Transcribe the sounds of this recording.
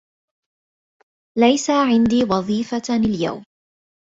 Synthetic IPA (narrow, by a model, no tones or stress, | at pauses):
lajsaʕɪnd̪iːwɑðˤiːfalja̰wm